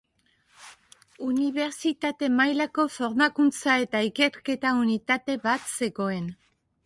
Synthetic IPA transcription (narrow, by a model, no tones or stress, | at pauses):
uniβe̞ɾt͡sit̪at̪e̞majlako̞fo̞ɾmakunt͡sae̞t̪aike̞ɾke̞t̪aunit̪at̪e̞βat̪se̞ɣo̞e̞n